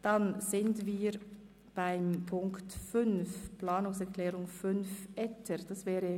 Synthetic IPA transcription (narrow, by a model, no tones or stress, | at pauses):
d̥anzɪndviːɾ | b̥aɪmpʰʊŋktfʏnfplaːnʊŋsɛʁklɛːʁʊŋfʏnfʔɛtʰəɾd̥ɑsvɛːɾə